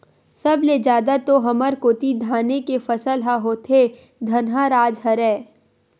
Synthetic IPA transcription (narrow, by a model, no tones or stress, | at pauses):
sɐbled͡ʒjaːd̪at̪oɦɐməɾkoːt̪id̪ʱaːnekefɐsəlɦaɦoːt̪ʰe | d̪ʱɐnɦaɾaːd͡ʒɦɐɾɛː